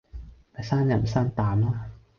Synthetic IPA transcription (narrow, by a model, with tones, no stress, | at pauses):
ta˨˧˩saː˥˩nja˨˩ma˨˩saː˥˩nt̪aː˨˦ma˥˩